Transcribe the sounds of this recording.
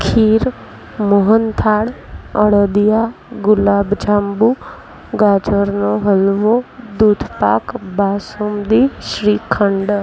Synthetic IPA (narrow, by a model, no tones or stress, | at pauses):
kʰiːɾ | moɦənt̪ʰaːɽəɽəd̪ijaː | ɡʊlaːbd͡ʒaːmbuː | ɡaːd͡ʒəɾnoɦəlʋod̪uːd̪ʱpaːkbaːsumd̪iʃɾiːkʰəɳɖ